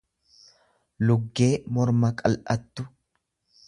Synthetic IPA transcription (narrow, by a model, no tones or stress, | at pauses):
lʊɡːe̞ːmɔɾmɐkʼɐlʔɐt̪ːʊ